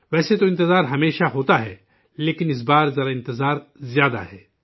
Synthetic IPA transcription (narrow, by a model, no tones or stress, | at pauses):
ʋɛːset̪oɪ̃nt̪ɪzaːɾɦɐmeːʃaɦoːt̪aɦɛ̰ː | leːkɪnɪs̬baːɾzɐɾaɪ̃nt̪ɪzaːɾzjaːd̪a̰ɦɛː